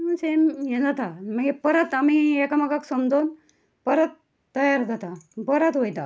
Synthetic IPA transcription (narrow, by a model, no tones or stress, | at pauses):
məsemjed͡zat̪aməɡepəɾət̪amiekamaɡaksəmd͡zon | pəɾət̪ː | əjaɾd͡zat̪abəɾət̪ɦojt̪a